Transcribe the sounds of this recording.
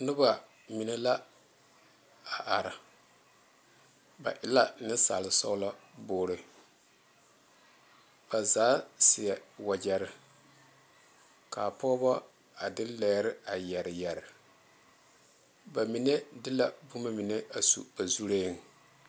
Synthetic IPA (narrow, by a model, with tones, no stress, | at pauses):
nʊ˦ba˨ | mi˨nɛ˦la˦ | a˨ʔa˨ɾɪ˨ | ba̰˨ʔɪ˨la˦nɪ˦sa̰˨lɪ˨sɔ˦ʊ˦la˦boː˨˦ɾɨ˨ | b̥a˨zaː˨˦sɪ˨ɛ˨wa˨d͡ʒɛ˨ɾɪ˨ | ka˨pɔ˦bɔ˦ | a˨dɪ˦lɛː˨˦ɾɪ˦a˨jɛ˨ɾɪ˨jɛ˨ɾɪ˨ | ba˨mi˨ne˦dɪ˦la˨bu˦ma˦mi˨ne˦a˨sṵ˨b̥a˨zu˦ɾeː˦ŋ˨